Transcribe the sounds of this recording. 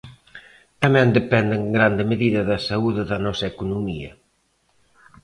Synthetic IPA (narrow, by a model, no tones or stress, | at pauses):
t̪ɐmɛ̃nd̪epɛnd̪eŋɡɾand̪ɪmeðiðɐðɐsauðɪðɐnɔsɐekunumiɐ̰